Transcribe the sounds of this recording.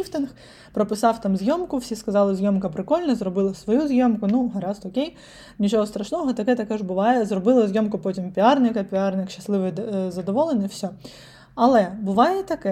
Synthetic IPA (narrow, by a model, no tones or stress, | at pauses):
ift̪ɪnx | pɾɔpɪsɑwt̪ɑmzʲjɔmkʊwsʲiskɐzɑlˠɪzʲjɔmkɐpɾɪkɔlʲnɐzɾɔbɪlˠɐsʋɔjuzʲjɔmkʊnuɦɐɾɑzɔkʲej | nʲit͡ʃɔɦɔst̪ɾɐʃnɔɦɔt̪ɐkɛt̪ɐkɛʒbʊʋɑjɛzrɔbɪlˠɐzʲjɔmkʊpɔtʲimpʲiɑrnɪkɐpʲiɑrnɪkʃɐ̥slˠɪʋɪjzɐd̪ɔʋɔlˠenijwsʲɔ | ɐlˠɛbʊʋɑjɛt̪ɐkɛ